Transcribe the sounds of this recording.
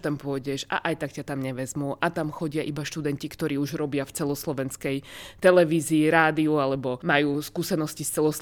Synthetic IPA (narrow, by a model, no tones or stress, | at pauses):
t̪ampʊɔɟɛʃa̰ʔajt̪akcat̪amɲɛʋɛzmuʔat̪amxɔɟɪaʔibaʃt̪ud̪ɛncikt̪ɔɾiːuʒɾɔbɪaft͡sɛlɔslɔʋɛnskɛjt̪ɛlɛʋiːziːɾaːd̪iualɛbɔmajuːskuːsɛnɔscist͡sɛlɔs